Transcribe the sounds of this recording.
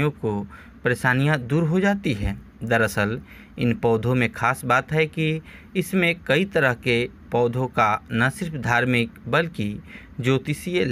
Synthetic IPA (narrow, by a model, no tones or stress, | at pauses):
jõko | pəɾeːʃaːnijãd̪uːɾɦod͡ʒaːt̪iɦɛː | d̪ɐɾəsəl | ɪ̰npɔːd̪ʱõmẽkʰaːsbaːt̪ɦɛki | ɪsmẽkɐit̪ɐɾəɦke | pɔːd̪ʱõkanasɪɾpʰd̪ʱaːɾmɪk̚bɐlki | d͡ʒoːt̪ɪsie